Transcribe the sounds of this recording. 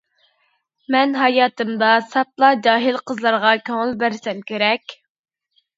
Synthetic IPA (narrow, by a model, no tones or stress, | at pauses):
mɛnɦɑjɑːt̪ɨmd̪ɑsɑt̪̚lˠɑd͡ʒɑːɦɪlˠqʰəzlˠɑɾʁɑkʲʰøŋəlˠbæɾsɛmkʲeɾɛkʲ